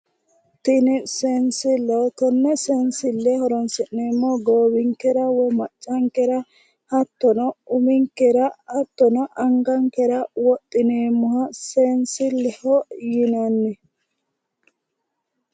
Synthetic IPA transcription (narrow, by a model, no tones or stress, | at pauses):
t̪ɪnɛsensɪlːɛɔt̪ɔnːɛsɛnsɪlːɛhɔɾɔnsɪnːeːmːɔɡoːbɪŋkɛɾɐwɔmɐt͡ʃʼːɐŋkɛɾɐ | hɐt̪ːɔnɔʊmɪŋkɛɾɐɐt̪ːɔnɔʔɐŋɡɐŋkɛɾɐwɔt̪ʼːɪneːmːɔhɐsensɪlɛhɔjɪnɐnːɛ